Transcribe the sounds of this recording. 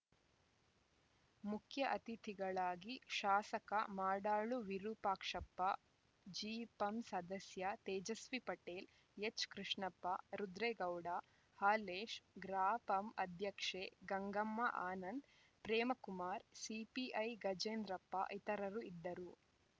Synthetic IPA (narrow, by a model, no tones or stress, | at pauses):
mukʰjɐʔɐt̪it̪ʰiɡɐɭaːɡiʃaːsɐkɐmaːɽaːɭuʋiɾuːpaːkʂɐpːɐ | d͡ʒiːpɐmsɐd̪ɐsjɐt̪ɛːd͡ʒɐsʋipɐʈeːl | et͡ʃkɾiʂɳɐpːɐɾud̪ɾɛːɡɐwɽaː | haːleːʃɡɾaːpɐmɐd̪ʱjɐkʂeːɡɐŋɡɐmːɐʔaːnɐnd̪ | pɾɛːmɐkumaːɾsipiʔɐjɡɐd͡ʒeːnd̪ɾɐpːɐ̰ʔit̪ɐɾɐɾuid̪ːɐɾu